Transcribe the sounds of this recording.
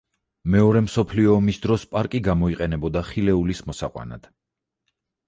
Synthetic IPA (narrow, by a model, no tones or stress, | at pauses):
mɛɔɾɛmsɔpʰliɔːmisd̪ɾɔspʼaɾkʼiɡamɔiqʼɛnɛbɔd̪aχilɛulismɔsaqʼwa̰na̰d̪̥